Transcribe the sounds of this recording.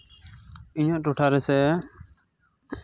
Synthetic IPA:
iɲɔʔʈuʈʰaɾɛsɛ

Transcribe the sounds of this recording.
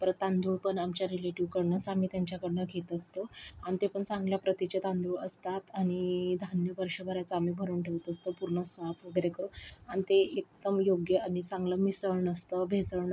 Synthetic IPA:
p̪əɾət̪ãnd̪uːɭpəɳamt͡ɕjaɾileʈiʋkəɽɳət͡samiːt̪jaɲt͡ɕjakəɽɳəɡʱet̪əst̪oañit̪epəɳt͡sãŋɡljapɾət̪it͡ɕet̪ãnd̪uɭəst̪at̪aɽ̃id̪ʱanjəʋəɾʂəbʱəɾjat͡səamiːbʱəɾuːnʈʰeʋt̪əst̪əpuɾɳəsapʋəɡəɾekəɾuañit̪eek̚d̪əmjoɡjəʔañit͡sãŋɡləmisəɭɳəst̪əbʱed͡zəɭɳ

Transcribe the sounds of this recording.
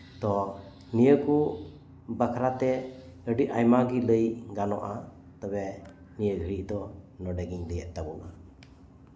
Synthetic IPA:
t̪ɔ | nijəku | bakʰɾat̪ɛ | əɖiʔʔajmaɡiləjɡanɔʔa | t̪ɔbɛ | nijəɡʱəɾiʔd̪ɔnɔɖɛɡiɲləjɛʔt̪abɔŋa

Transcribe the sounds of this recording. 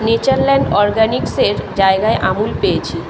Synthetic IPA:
net͡ɕaɾlɛɳɖɔɾɡanikseɾd͡ʑaeɡaeʔamulpeet͡ɕʰi

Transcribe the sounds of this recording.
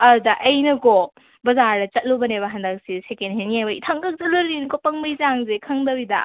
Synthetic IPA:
ɐɾudɐʔɐjnɐko | bɐzaɾdɐt͡ʃɐt̚lubɐneβɐɦandɐk̚sisekenɦenijajbɐitʰɐŋɡɐk̚zɐluɾlinkopɐŋbɐjzaŋzekʰɐŋdɐbidɐ̰

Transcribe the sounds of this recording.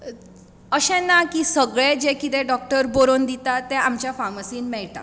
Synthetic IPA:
əɕɛ̃nːakiːsəɡɭẽd͡ʑekit̪eɖɔk̚ʈəɾboɾond̪it̪at̪ːɛ̃amt͡ɕjafaməsiːnmɛɭt̪a̰

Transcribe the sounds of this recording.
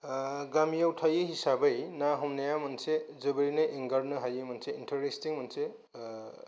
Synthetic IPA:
ɡamijawtʰajɯhisabɯjnaɦɔmnajamɯnsezɯbɯɾinɯeŋɡaɾnɯɦajɯmɯnseintʰɐɾestiŋmɯnse

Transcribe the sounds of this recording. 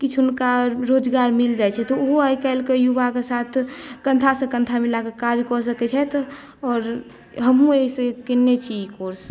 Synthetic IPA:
kit͡ʃʰʊnkaɾoːd͡ʒɡaːɾmɪld͡ʒajt͡ʃʰɛt̪ɔoɦoajkɛlkejubakesat̪ʰkə̃nt̪ʰasẽkə̃nt̪ʰamilakekad͡ʒkɔsəkɛt͡ʃʰɛt̪ | ɔːɾ | ɦəmɦũesekɪnːet͡ʃʰid͡ʒkoɾs

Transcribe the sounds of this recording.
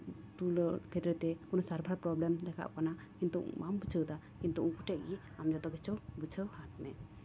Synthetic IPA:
t̪uləkʰɛt̪ɾɛt̪ɛkɔnɔsaɾbʱaɾpɾɔblɛmd̪ɛka̰ʔkana | kint̪uʔmʔambut͡ʃʰəwd̪a | kint̪uʔukuʈɛʔ̚ɡi | amd͡ʒɔd̪ɔɡɛt͡ʃɔwbut͡ʃʰəwhat̪ʰmɛ

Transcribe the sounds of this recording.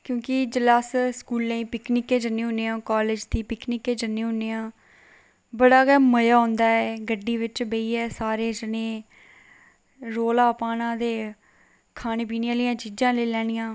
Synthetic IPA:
kjõːkɪd͡ʒəlaːsskuːlːẽːpɪknɪkːẽːd͡ʒənːẽːɦʊneːãːkaːleːd͡ʒd̪iːpɪknɪkːeːd͡ʒənːeːɦʊnːeːãː | bəɽaːɡɛːməjaːɦʊ̃nd̪aːɛːɡəɖːiːʋɪt͡ʃbəiːɛːsaːɾeːd͡ʒənẽː | ɾoːlaːpaːnãːd̪eː | kʰaːñeːp̬iːnɪjãːlɪjãːt͡ʃiːd͡ʒãːleːlɛːɽ̃ɪijãː

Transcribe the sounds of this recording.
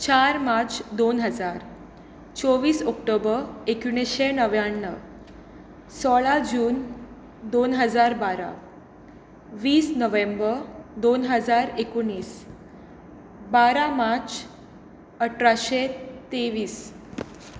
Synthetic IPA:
t͡ɕaɾmaɾt͡sd̪onɦəd͡zaɾ | t͡sɔʋiːsɔkʈobəekuɳ̃eɕenəʋjaɳːə | sɔɭad͡ʑuːn | d̪onɦəd͡zaɾbaɾa̰ | ʋiːsnəʋembəɾd̪onɦəd͡zaɾekuɳːiːs | baɾamat͡s | əʈʰɾaɕet̪eʋiːs

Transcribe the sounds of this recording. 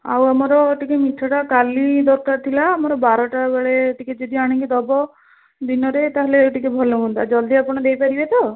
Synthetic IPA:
a̰wamɔɾɔeʈikemiʈʰɔʈakalid̪ɔɾkaɾt̪ʰilaːmɔɾɔbaɾɔʈabeɭeːʈiked͡ʒed̪iaɽ̃iŋkid̪ɔbɔ | d̪inɔɾet̪aɦeleʈikebʱɔloɦũnt̪ad͡ʒɔld̪ʱiapɔɽ̃ɔd̪ejpaɾibet̪ɔ

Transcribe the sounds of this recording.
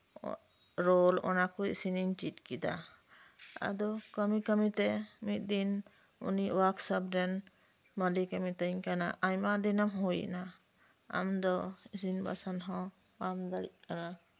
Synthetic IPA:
ɾɔlɔ̰nakɔḭsiniɲt͡ʃit̪̚kid̪a̰ | a̰d̪ɔkəmikəmit̪ɛmit̪̚ˀd̪in | ṵniwaksab̚ɾɛn | məlikəmit̪əɲkanaʔajmad̪inamɦujna | a̰md̪ɔisinba̰sanɦɔ̃ | pamd̪aɽḭʔ̚kana

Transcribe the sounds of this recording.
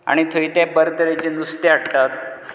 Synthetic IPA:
a̰ɽ̃it̪ʰəit̪abəɾd̪əɾet͡ɕenust̪eaʈt̪at̪

